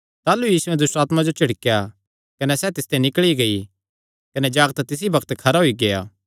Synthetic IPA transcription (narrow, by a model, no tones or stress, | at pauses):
t̪aːlujiːsʊɛ̃d̪ʊsʈaːt̪mãd͡ʒot͡ʃɐɽkja | kɐnɛsɛt̪ɪst̪enɪkɭiɡɐi | kɐnɛd͡ʒaːɡt̪t̪ɪs̬ibɐkʰt̪kʰɐɾaɦoiɡɐja̰ː